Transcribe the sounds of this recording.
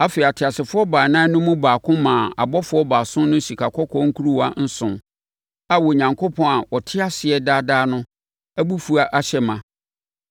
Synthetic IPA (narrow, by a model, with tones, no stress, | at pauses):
a˦fe˨a˨tʰɪ˨a˨sɪ˨fʊ˦ɔ˦baː˨nãː˦nʊ̃˦mũ˦baː˨kʰʊ̃˦mãː˨a̰˨bɔ˦fʊ˨˦ɔ˦baː˨sʊ̃˦nʊ̃˦ɕi˨kʰa˨kʰɔ˦kʰɔ̃˦ŋ̩˦kʰu˦ɾu˦wa˦n̩˦sʊ̃˨ | a˨wɔ˨ɲã˨ŋkʰo˦pʰɔ̃˦a˨wɔ˨tʰɪ˦a˦sɪ˨ɛ˦daː˦daː˦nʊ̃˦ | æ˦bu˦fu˨a˦ʔa˦ɕɛ˦mã˨